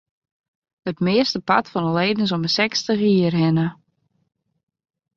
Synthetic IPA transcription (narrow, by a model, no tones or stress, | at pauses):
ətmɪəstəpa̰tfɔnəleːdən̩sɔməsɛkstəχiərɦɪnə